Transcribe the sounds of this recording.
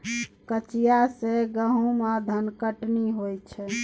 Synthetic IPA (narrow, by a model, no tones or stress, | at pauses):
kət͡ʃijaseɡəɦũmad̪ʱənkəʈniɦojt͡ʃʰɛ